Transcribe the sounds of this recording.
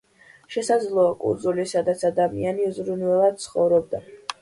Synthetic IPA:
ʃɛsad̪zlˠɔːkʼṵnd̪zulisad̪at̪sʰad̪amianiuzɾunvɛlˠad̪̥̚t̪sʰχɔvɾɔb̚d̪a

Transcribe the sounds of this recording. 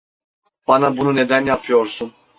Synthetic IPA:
b̥anabunune̞d̪ænjapʰɯjo̞ɾsun

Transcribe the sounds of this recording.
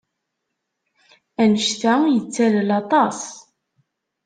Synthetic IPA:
ænəʃtæjət͡sːællɑt̪ˤɑs

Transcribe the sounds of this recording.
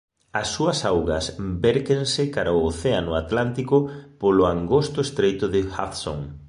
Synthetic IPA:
ɐsːuɐsawɣɐsbɛɾkeŋsɪkaɾaʊoθeanʊat̪lant̪ikʊpolʊaŋɡost̪ʊest̪ɾejt̪ʊðɪxa̰θso̰ŋ

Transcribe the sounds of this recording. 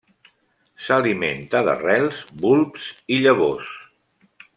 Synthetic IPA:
saliment̪aðə̰rɛlˠzbulˠpsiʎəβ̞os

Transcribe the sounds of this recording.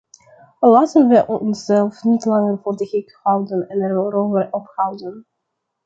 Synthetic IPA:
lɑːtənʋəʔɔɔnsz̥ɛlˠfnitlɑŋərvoːrdəχɪkhɑwdənɛnɛrʋəɾovərʔɔphɑwdən

